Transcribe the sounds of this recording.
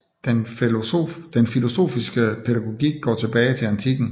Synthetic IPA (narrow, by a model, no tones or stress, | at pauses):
d̥en | d̥enfilo̝so̝̰ːfisɡ̥əpʰe̝ɾæɡ̥o̝ɡ̥ḭɡ̥ɡ̥ɒ̰ːt͡sʰe̝b̥ɛːɪt͡sʰe̝ænt͡sʰiɡ̥n̩